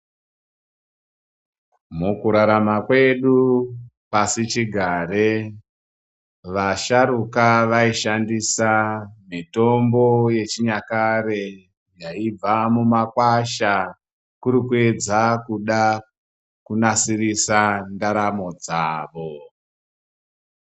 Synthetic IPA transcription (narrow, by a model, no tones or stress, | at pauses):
mukuɾaɾamakwe̞ɗu | pasit͡ʃiɡʱaːɾe | ʋaʃaɾukaʋaiʃandisamito̞mbo̞je̞t͡ʃiɲakaɾe | jaib͡vamumakwaʃa | kuɾikue̞d͡zakuɗa | kunasirisandaɾamo̞d͡zaːʋo